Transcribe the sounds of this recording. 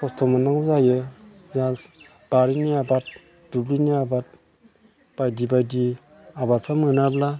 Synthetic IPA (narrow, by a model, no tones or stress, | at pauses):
kʰɔstʰɔmanaŋzajɯ | zas | b̥aɾiniabat̚ | d̥ubliniabat̚ | b̥ajdibajdi | abat̚pʰamɯnabla